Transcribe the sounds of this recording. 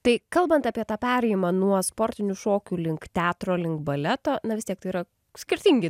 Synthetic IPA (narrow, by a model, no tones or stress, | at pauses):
t̪ɐɪkɐlˠbɐnt̪ɑːpʲiɛt̪ɑːpʲæːɾʲɛɪjɪmɑːnuɔspoːɾʲt̪ʲɪnʲuʃoːkʲulʲɪŋkt̪ʲæːt̪ɾoːlʲɪŋkbɐlʲɛt̪oːnɐʋʲɪst̪ʲiɛk̚t̪ɐɪiɾɐ | sʲkʲɪɾʲt̪ʲɪŋʲɡʲɪ